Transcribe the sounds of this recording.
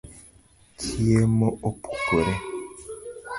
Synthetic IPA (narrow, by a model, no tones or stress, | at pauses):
kʰiemoopʰu̥puɾe